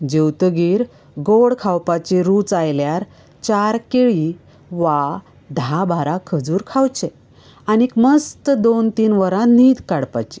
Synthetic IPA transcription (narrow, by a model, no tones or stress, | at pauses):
d͡ʑewt̪əɡiːɾ | ɡoɽkʰawpat͡ɕeɾuːt͡sajljaɾ | t͡ɕaɾkeɭi | ʋa | d̪ʱabʱaɾakʰəd͡zuːɾkʰawt͡ɕe | anekməst̪əd̪ont̪iːnʋəɾãniːd̪kaɽpa̰t͡ɕi̥